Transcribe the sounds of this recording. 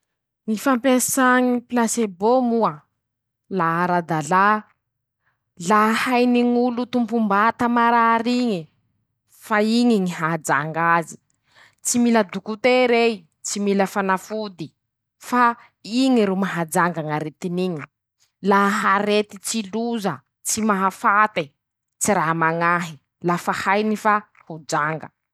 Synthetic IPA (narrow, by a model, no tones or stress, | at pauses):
ŋifampesaŋipilasebomua | laaɾad̪ala | lahajniŋulut̪umpumbat̪amaɾaɾiŋi | faiŋiŋiɦaad͡ʒaŋɡazi̥ | t͡similəd̪ukut̪eɾe | t͡similəfanafud̪i | fa | iŋiɾumaɦad͡ʒaŋɡaŋaɾet̪iniɲi | laɦaɾet̪it͡siluzə | t͡simaɦafat̪e | t͡siɾamaŋaɦi | lafahajnifa | hud͡ʒaŋɡə̰